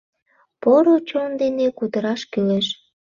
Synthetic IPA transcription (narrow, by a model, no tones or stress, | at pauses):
poɾot͡ɕond̪enekud̪əɾɑʃkyleʃ